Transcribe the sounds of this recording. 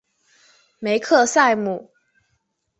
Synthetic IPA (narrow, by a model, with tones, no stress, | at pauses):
me˨˧˦ɪkʰɤ˥˧sa˥˨ɪmu˨˩˦